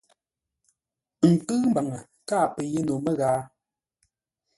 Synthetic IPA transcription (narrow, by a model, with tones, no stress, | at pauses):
ŋ̩˨kɨː˦m˦ba˨ŋə˨ | kaː˦˨pɛ˨je˦no˨mə˦ɣaː˦